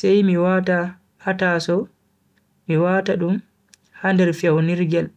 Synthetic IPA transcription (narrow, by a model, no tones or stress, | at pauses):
sɛjmiwata | hatasɔ | miwaːtaɗum | handɛɾfɛwniɾɡɛl